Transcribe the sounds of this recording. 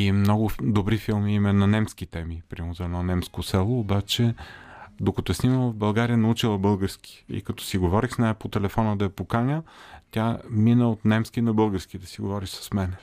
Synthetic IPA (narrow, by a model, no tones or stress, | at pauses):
imnɔɡʊd̪obɾifilˠmiimɛnːɐnɛmsk̟it̪ɛmipɾʲamozɐɛd̪nɔnɛmskosɛlˠoːbat͡ʃɛ | d̪okɐt̪ɔəsniməlˠvbɐlˠɡaɾijənɐut͡ʃilˠəbɤlˠɡəɾskʲi̥ḭkɐt̪ɔ̥siɡovɔɾixsnaɛpot̪ɛlɛfɔnəd̪ɐjɐpokanʲət̪ʲaminəot̪nɛmskinɐbɤlˠɡəɾskid̪ɐsiɡovɔɾiʃsɐ̥smɛnɛ